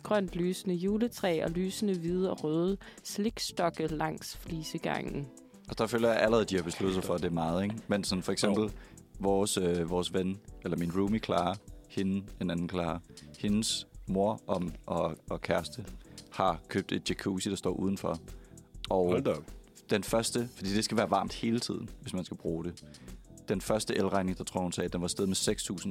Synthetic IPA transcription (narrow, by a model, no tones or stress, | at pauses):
ɡ̥ʁɶn̰d̥lyːsənəjuːlət͡sʰʁɛ̰ːɒ̽lyːsənəʋið̞ˠɒʁøːð̩ˠsle̝ɡ̥sd̥ɒ̽ɡ̥ð̩ˠlɑ̈ŋ̰sfliːsəɡ̥ɑ̰̈ŋ̰n̩ | ɒsd̥ɑ̈føːljɐjæʔæləʁɛð̩ˠd̥ihɑ̈b̥e̝slud̥ð̩ˠsɑɪfɒd̥e̝mɑ̈ːð̩ˠeɡmensɒ̽nfɒ̽eɡ̥semb̥l̩ | ʋɒːsøʋɒːsʋenelɐminʁuːmikʰlɑ̈ːɐhe̝n̩e̝nænn̩kʰlɑ̈ːɐhe̝nsmo̝ɐ̰ʔɒmʔɒ̽ɒ̽kʰæɐsd̥əhɑ̈kʰø̰ːb̥̚d̥e̝d̥̚ɕekʰṵsid̥ɑ̈sd̥ɒ̰ːʔuːð̞ˠn̩fɒ | ʔɒ̽ʊ | d̥enfɶɐsd̥əfɒd̥ḭːd̥e̝sɡ̥æʋæːɐʋɑ̈ːmd̥he̝ːlət͡sʰið̰ˠn̩ʋe̝smænsɡ̥æb̥ʁuːɾ̥e̝d̥enfɶɐsd̥əʔelʁɑ̈ɪne̝ŋd̥ɑ̈t͡sʰʁo̝ɐ̰hunsɛ̰ːd̥enʋɑ̈sd̥eð̞̩ˠmeseɡ̥st͡sʰṵːsn̩